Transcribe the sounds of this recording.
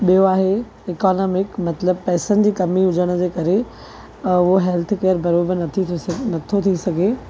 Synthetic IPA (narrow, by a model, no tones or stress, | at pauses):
ɓijoaːɦe | ɪkaːnɔːmɪkmɐt̪ləb̚pɛːsənɪ̆d͡ʑiːkɐmiʊd͡ʑəɽ̃ə̆d͡ʑeːkɐɾe | ʊɦoɦɛlt̪ʰkeəɾbɐɾoːbəɾnɐt̪ʰinɐt̪ʰot̪ʰisɐɡʱe